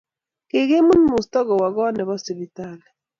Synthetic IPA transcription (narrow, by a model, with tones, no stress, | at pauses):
ke˨ɣe˦mu˦n˦mu˨stɔ˦ɣɔ˨wa˨ɣɔ˦nɛ˨βɔ˦si˨bi˨ta˦˨lɛ˨